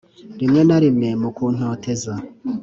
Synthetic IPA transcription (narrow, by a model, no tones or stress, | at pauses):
ɾimŋe̞naɾimŋe̞mukuːn̥oːteza